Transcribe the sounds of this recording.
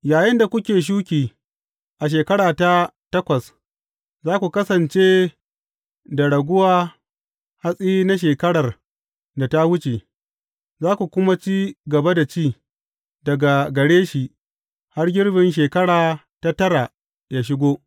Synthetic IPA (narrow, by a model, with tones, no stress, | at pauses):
jaː˨jɪ˦nda˨kʷʊ˦kʲeː˨ʃ̬uː˦kʲiː˨ | ʔa˨ʃ̬eː˨kɐ˦ɽaː˨ta˦tɐ˦kʷɐ˨s | zaː˦kʷu˨kɐ˦sɐ˨nt͡ʃe˦ | da˨ɽɐ˨ɡʷʊ˦waː˦ | ha˦sʼiː˦na˦ʃ̬eː˨kɐ˦ɽɐ˨r | da˨ta˦wʊ˦t͡ʃe˨ | zaː˦kʷu˨kʷʊ˦ma˦t͡ʃiː˦ɡɐ˨ba˦da˨t͡ʃiː˦˨ | dɐ˨ɡa˨ɡɐ˨ɽeː˦ʃi˨ʔ | ha˦rɡʲɪ˦ɽbɪ˨nʃ̬eː˨kɐ˦ɽaː˨ | ta˦tɐ˦ɾa˨ | jaː˦ʃ̬ɪ˦ɡʷoː˦